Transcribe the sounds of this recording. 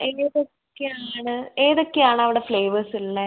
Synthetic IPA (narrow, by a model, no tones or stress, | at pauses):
eːðokʲːeaːɳɨeːðokːeaːɳɨɐʋiɽefɭe̞ːʋɐrsilːɐ